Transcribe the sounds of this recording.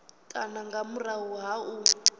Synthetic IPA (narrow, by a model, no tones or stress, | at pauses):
kʼanaŋɡamuraɦuɦau